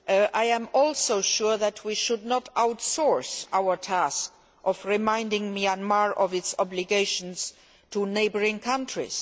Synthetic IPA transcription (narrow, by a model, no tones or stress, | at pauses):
ʔʔaɪæ̃mɔlsoʊʃuɹðætʰwiʃʊdnɔtʰaʊtsɔɹsʔaʊə˞tʰæsk | ʔɔfɹimãɪ̃ndɪ̃ŋmiãnmaɹʔɔvɪtsɔbliɡeɪʃə̃ns | tʰuneɪbə˞ɪ̃ŋkʰãntʰɹḭs